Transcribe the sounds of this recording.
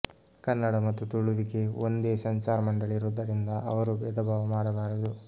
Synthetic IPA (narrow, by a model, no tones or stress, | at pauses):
kɐnːɐɽɐmɐt̪ːut̪uɭuʋike̞ond̪eːsɐɲt͡ʃaːɾɐmɐɳɖɐɭiɾuːd̪ɐɾind̪ɐʔɐʋɐɾubɛːd̪ɐbʱaːʋɐmaːɽɐbaːɾɐd̪u